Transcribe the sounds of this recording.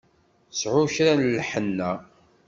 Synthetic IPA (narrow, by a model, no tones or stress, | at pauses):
sʕʊçɾænlħənːæ